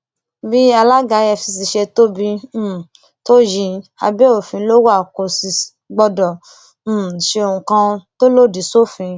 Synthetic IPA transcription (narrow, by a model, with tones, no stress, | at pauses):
bi˦a˧la˦ɡa˨˦jɛ˧˨fi˧s̬i˧ʃe˧to˦bĩ˧˦˨ | to˦jĩ˧a̰˧be˦o˨fĩ˨˦lo˦wa˦˨ko˨si˧ | ɡ͡bɔ˧dɔ̃˨˦˨ | ʃe˧o˨ũ˨kã˧to˦lo˦˨di˨˦so˦˨fĩ˨˧